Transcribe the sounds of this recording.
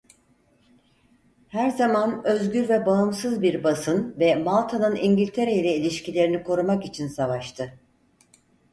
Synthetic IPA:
hæɾzamanøzɟyɾvɛbaɯmsɯzbiɾbasɯnvɛmalˠt̪ʰanɯniɲɟilʲt̪ʰe̞ɾejilʲɛilʲiʃcilʲe̞ɾinikʰo̞ɾumakit͡ʃʰinsavaʃt̪ʰɯ

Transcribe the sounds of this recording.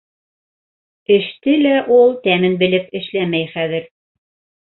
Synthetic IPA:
ɘ̆ʃt̪ɘlæʔulˠt̪æmɘnbɘ̆lɘpɘ̆ʃlæmæjχæðɘɾ

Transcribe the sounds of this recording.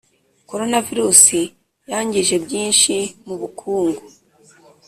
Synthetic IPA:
ko̞ɾo̞naviɾusi | jaːɲɟiʒe̞bjiːnʃimuβukʰuːŋɡo

